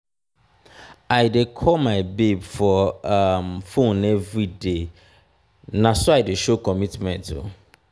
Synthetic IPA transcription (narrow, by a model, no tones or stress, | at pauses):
aɪdɪkʰɔmãɪbebfɔmfõnɛvɾide | nãsʊaɪdɪʃokʰɔmitmɛ̰̃ntʊ̰